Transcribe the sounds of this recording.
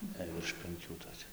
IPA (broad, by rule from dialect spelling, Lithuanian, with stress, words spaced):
jɛɪ ʋʲɪrʃ pʲɛŋʲˈkʲuː toːˈkʲɛ